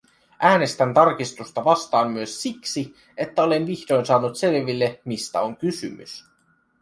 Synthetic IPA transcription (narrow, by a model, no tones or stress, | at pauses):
ʔæːne̞st̪ænt̪ɑrk̟ist̪ust̪ɑʋɑst̪ɑːmːyøsːiksi | e̞t̪ːæo̞le̞nʋiçdo̞jnsɑːnut̪se̞lʋilːe̞mist̪æ̰o̞ŋkysy̰my̰s